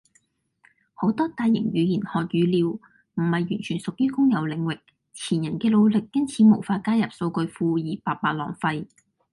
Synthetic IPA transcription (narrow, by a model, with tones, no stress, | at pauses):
ho˨˥wt̪ɔː˥t̪aː˨˧jːɪ̰˨˩ŋɥyː˨˧jiː˨˩nhɔː˨˩t̚jɥyː˨˧liː˨˧w | m̩˨˩hɐ˨jːyː˨˩nt͡ʃʰyː˨˩nsʊ˨k̚jyː˥kʊ˥ŋjɐ˨˧wlɪ˨˧ŋwɪ˨k̚ | t͡sʰiː˨˩njɐ˨˩nkɛː˧lo˨˧wlɪ˨kːɐ˥ŋt͡sʰiː˨˥mo˨˩wfaː˧kaː˥jɐ˨p̚so˧wkɵ˧ɥfuː˧jiː˨˩paː˨t̚paː˧˩lɔ̰ː˨˩ŋfɐ˧j